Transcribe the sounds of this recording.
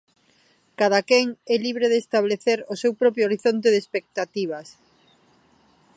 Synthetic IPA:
kað̞akɛŋɛliβɾeðeːst̪aβleθeɾosewpɾɔpɾjooɾiθont̪eðespek̚t̪at̪iβ̞ɐs

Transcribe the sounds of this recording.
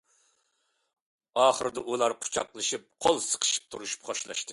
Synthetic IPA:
ɑːχəɾɨd̪ɑʔulˠɑɾqʰʊ̥t͡ʃʰɑ̰qlˠɨʃip̚qʰolˠsə̥qʰə̥ʃi̥p̚t̪ʰuɾuʃu̥pχoʃlˠɑ̰ʃt̪ɨ

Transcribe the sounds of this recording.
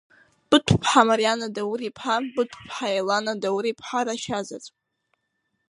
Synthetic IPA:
b̥ɨtʷʰpʰħamaɾjanadawɾipʰħabɨtʷʰpʰħaelanadawɾipʰħaɾaʃazat͡sʼ

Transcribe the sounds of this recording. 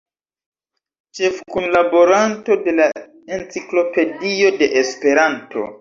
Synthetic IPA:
t͡ʃe̞fkunlabo̞ɾanto̞de̞la | e̞nt͡siklo̞pe̞dio̞de̞ʔespe̞ɾantʰo̞̰

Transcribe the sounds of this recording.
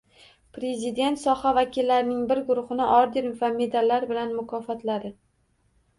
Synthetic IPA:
pɾe̞zɪd̪e̞nt̪sɒhavakʲilːaɾɪnɪŋbɪɾɡʊɾʊχɨnɪʔɒɾd̪ɪɾmvame̞d̪alːaɾbɪlanmʊkʰɒfɒt̪lad̪ɪ

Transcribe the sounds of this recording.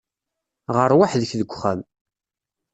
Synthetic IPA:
ʁəɾˤwaħðəçðəɡʷːχæm

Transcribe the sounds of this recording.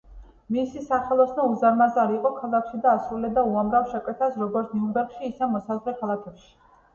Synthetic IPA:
misisaχɛlˠɔsnɔuzaɾmazaɾiːqʼɔkʰalˠakʰʃid̪aːsɾulɛd̪auamɾafʃɛkʼwɛt̪ʰasɾɔɡɔɾt̪ʰniumbɛɾkʃiːsɛmɔsazʁlɛkʰalˠak̪ʰɛpʃi̥

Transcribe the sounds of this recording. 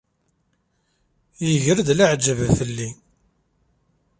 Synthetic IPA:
jəʝəɾd̪laʕd͡ʒəvfəlːi

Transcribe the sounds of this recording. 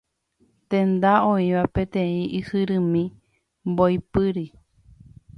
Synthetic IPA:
t̪ẽnd̪aõĩʋapẽt̪ẽĩʔihɨɾɨ̃mĩ | mbojpɨɾi

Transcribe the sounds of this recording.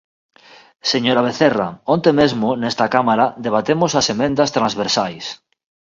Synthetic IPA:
seɲoɾaβ̞eθeraõnt̪emezmonest̪akamaɾad̪eβ̞at̪emosasemẽnd̪ast̪ɾanzβeɾsajs

